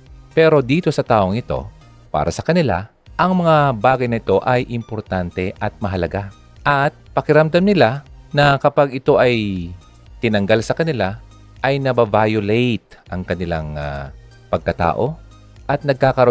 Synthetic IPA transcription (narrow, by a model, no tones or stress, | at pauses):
pɛːɾo̞d̪iːt̪o̞sɐt̪aːʔoŋɪt̪o̞̰ | pa̰ːɾʔɐsɐkɐnɪla̰ | ʔɐŋmɐŋabaːɡɐjnɐʔɪt̪o̞ʔɐjʔɪmpoɾt̪ant̪ɛʔɐt̪̚mɐɦɐlɐɡa | ʔɐt̪̚pɐkɪɾɐmd̪amnɪlanɐkɐpaɡɪt̪o̞ʔɐj | t̪ɪnɐŋɡalsɐkɐnɪla | ʔɐjnɐbavaːjolɛjt̪̚ʔɐŋkɐnɪla̰ŋa̰ | pɐɡ̚kɐt̪a̰ːʔo̞ | ʔɐt̪̚nɐɡ̚kaːkɐɾo